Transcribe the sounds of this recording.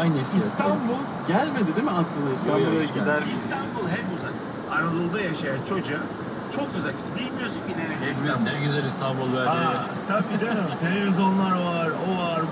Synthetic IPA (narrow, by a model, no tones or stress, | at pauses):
ajnɛsist̪ʰambulˠ | ɟælʲmed̪id̪emiak̪ʰˠɯnˠɯzbænoɾajaɟid̪æɾist̪ʰanbulˠɦɛpuzan | aɾalˠɯnd̪ajaʃajant͡ʃʰo̞d͡ʒa | t͡ʃʰo̞køzælʲcʰi̥sɛbilʲmijoɾsunbid̪eɾessad̪ɛɾɟyzælʲist̪ʰanbulˠvæɾa | t̪ʰabid͡ʒanamt̪ʰe̞lʲevizo̞nlˠaɾvaɾovaɾ